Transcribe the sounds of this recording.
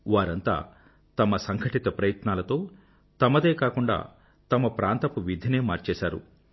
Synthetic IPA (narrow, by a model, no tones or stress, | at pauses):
ʋaːɾɐnt̪a̰ː | t̪ɐmɐsɐŋkʰɐʈit̪ɐpɾɐjɐt̪naːlɐt̪o̞ː | t̪ɐmɐd̪eːkaːkuɳɖa̰ː | t̪ɐmɐpɾʔaːnt̪ɐpuʋid̪ʱine̞ːmaːɾt͡ʃɛːʃaːɾṵ